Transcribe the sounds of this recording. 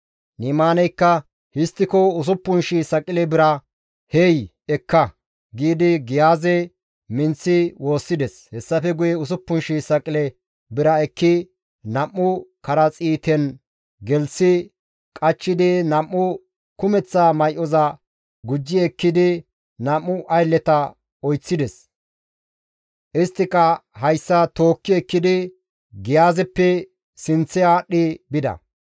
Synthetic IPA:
niːmaːnɛjkːɐ | hɪst̪ːɪkɔʊs̬ʊpːʊnʃɪsɐkʼɪlɛbɪɾɐ | hej | ɛkːɐ | ɡiːd̪ɪɡɪjaːzɛ | mɪnt͡sːɪwo̞ːsːɪd̪ɛshɛsːɐfɛɡʊjɛʊs̬ʊpːʊnʃɪsɐkʼɪlɛ | bɪɾɐɛkːɪ | nɐmːʊkɐɾɐt͡sʼiːt̪ɛn | ɡɛlsɪ | kʼɐt͡ʃːɪd̪ɪnɐmːʊ | kʊmɛt͡sːaːmɐjʔɔzɐ | ɡʊd͡ʒːɪɛkːɪd̪ɪ | nɐmːʊʔɐjlːɛt̪ɐ | ɔjt͡sːɪd̪ɛs | ʔɪst̪ːɪkːɐɦɐjsːɐt̪o̞ːkːɪɛkːɪd̪ɪ | ɡɪjaːzɛpːɛ | sɪnt͡sːɛaːɗːɪbɪd̪ɐ̰

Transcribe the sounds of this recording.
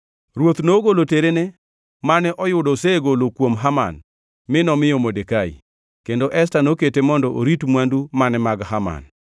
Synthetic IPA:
ɾwot̪noɡoloteɾenɛ | manɛʔɔjʊdɔseɡolokwomɦama̰n | mɪnɔmɪjɔmodekaḭ | kendoʔɛs̬tanoketemɔndɔʔoɾitmwandumanɛmaɡhama̰n

